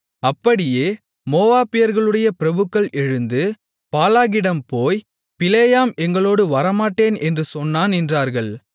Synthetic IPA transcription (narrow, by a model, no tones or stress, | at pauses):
ɐpːɐɽɪjeː | moːʋaːpɪjɐɾɣɐɭɯɽɐjɐpɪɾɐbɯkːɐɭʔɛɻɯnd̪ɯ | paːlaːɣɪɽɐmpoːj | pɪlejaːmɛŋɡɐɭoːɽɯʋɐɾɐmaːʈːeːnɛndrɯsɔnːaːnɛndraːɾɣɐɭ